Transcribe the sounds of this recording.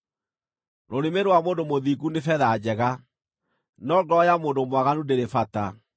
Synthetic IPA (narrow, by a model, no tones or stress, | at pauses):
ɾoɾemeɾowamoːndomoðiɡunefɛðad͡ʑɛɣa | nɔɡɔjamoːndomwaɣanudeɾefata